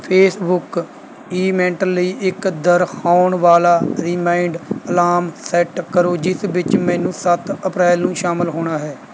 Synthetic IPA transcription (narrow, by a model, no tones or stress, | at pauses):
pʰeːsbʊk | iːmɛ̃ːɳʈəlːəiːʔɪkd̪əɾxʰaːʊɳʋaːlaːɾɪːmãːiɳɖəlaːmsɛːʈkəɾoːd͡ʒɪsʋɪt͡ʃmɛ̃ːnũːsət̪əpɾɛːlnũːʃaːmɪlɦoːɳ̃aːɦɛː